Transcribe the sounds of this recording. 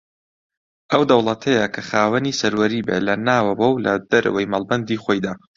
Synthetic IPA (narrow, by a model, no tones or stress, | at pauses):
ʔɐwd̪ɐwlˠɐt̪ʰɐjɐkʰɐχaːwɐniːsɐɾwɐɾiːbḛlɐnaːwɐwɐwlɐd̪̥ɐɾɐ̰wɐjmalˠbɐnd̪iːxoːjd̪aː